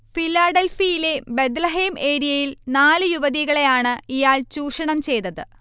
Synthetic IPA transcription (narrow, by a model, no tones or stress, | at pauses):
filːaːɖelfijile̞bed̪lɐɦeːme̞ːɾijɐjilnaːlɨjuʋɐðiɣɐɭe̞jaːɳɨijaːɭt͡ɕuːʂɐɳɐmt͡ɕe̞jt̪ɐðɨ